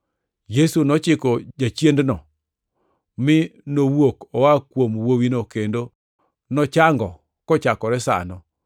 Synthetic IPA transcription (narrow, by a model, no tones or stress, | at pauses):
jesunɔt͡ʃɪkod͡ʒat͡ʃjendnɔ | mɪnowwokɔwakwomwowinokendo | nɔt͡ʃaŋɡɔ | kɔt͡ʃakɔɾɛsa̰nɔ